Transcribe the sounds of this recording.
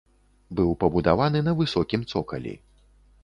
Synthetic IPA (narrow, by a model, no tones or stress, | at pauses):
bɨwpɐbud̪avanɨnɐvɨsɔkʲimt̪sɔkɐ̰lʲḭ